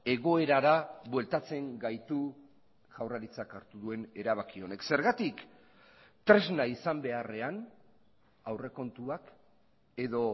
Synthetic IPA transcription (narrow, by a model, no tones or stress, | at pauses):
e̞ɣ̞o̞e̞ɾaɾaβwe̞lt̪at͡se̞ŋɡajt̪u | ʝ̥awraɾit͡sakaɾt̪uðue̞ne̞ɾaβ̞akio̞ne̞kse̞ɾɣat̪ik | t̪ɾe̞znaisambe̞are̞an | awre̞ko̞nt̪uak | e̞ðo̞